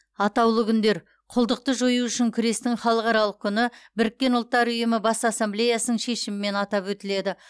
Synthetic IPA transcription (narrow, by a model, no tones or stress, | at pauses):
ɑt̪ɑwlˠəkʲʰʏnd̪e̞ɾ | qʰʊlˠd̪əq̚t̪əʒojuʏʃɪŋkʲʰʏɾe̞st̪ɪŋχɑlˠəqɑɾɑlˠəq̚kʲʰʏnɪbɪɾɪk̚ʲːe̞nʊlˠt̪ːɑɾʏjɪmɪbɑsɑsːemblʲe̞jasənəɴʃe̞ʃɪmɪme̞nɑt̪ɑpwɵt̪ɪle̞d̪ɪ